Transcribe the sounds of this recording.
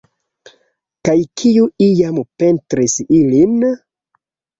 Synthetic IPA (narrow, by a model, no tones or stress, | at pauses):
kajkʰijuijampe̞ntɾisilin